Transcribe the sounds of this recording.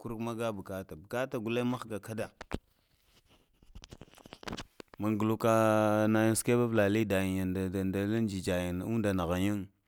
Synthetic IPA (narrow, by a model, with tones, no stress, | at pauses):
ku˦ɾkma˦ɡa˦bu˨ka˦ta˨bu˨ka˦ta˨ɡu˨la˦ma˦xɡa˨ka˦da˨ | ma˨ŋɡu˨lu˦ka˦na˨ja˦n˦ske˦ba˦vla˨li˦da˨ji˨ja˨nda˨da˨nda˨la˦n˦d͡ʒi˨d͡ʒa˨ji˨n˨u˦n˦da˨na˨ɣa˨ɲa˦ŋ